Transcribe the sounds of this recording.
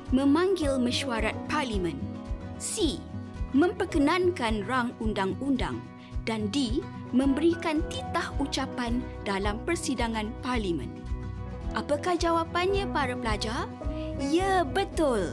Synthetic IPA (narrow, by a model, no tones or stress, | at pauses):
mə̃mãŋɡɪlmə̃ʃuaɾat̪̚parlimə̃nsimə̃mpərkənãnkanraŋundaŋunda̰ŋ | dandi | mə̃mbəɾikant̪it̪ahut͡ʃapan | dalampərsidaŋãnparlimə̰̃n | ʔapakahd͡ʒawapanɲãpaɾapəlad͡ʒar | iabət̪ʊl